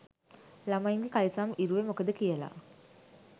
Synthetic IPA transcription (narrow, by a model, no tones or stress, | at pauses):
lamaiŋɡekalisaːmiɾuʋemokəd̪əkijəla̰